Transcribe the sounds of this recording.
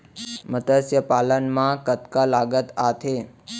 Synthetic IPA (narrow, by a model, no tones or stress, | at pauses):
mət̪əsjəpalənmãkət̪kalaɡət̪at̪ʰe